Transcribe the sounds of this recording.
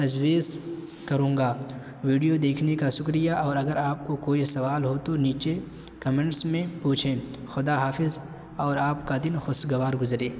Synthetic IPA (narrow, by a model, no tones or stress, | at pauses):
t̪ɐd͡ʒwiːz | kɐɾũːŋɡaː | ʋiːɖijod̪eːkʰnekaʃʊkɾɪjaʔɔːɾɐɡəɾaːp̚kokoːisɐʋaːlɦot̪oniːt͡ʃe | kɐmẽːɳʈsmẽpuːt͡ʃʰẽː | xʊd̪aɦaːfɪz | ɔːɾaːpkad̪ɪnxʊsɡɐʋaːɾɡʊzɾẽː